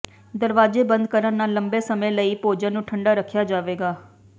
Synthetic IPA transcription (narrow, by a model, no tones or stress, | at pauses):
d̪əɾʋaːd͡ʒeːbə̃nd̪̚kəɾənnaːləmbeːsəmẽːləiːpoːd͡ʒãːnũːʈʰəɳɖaːɾəkʰːjaːd͡ʒaːʋeːɡaː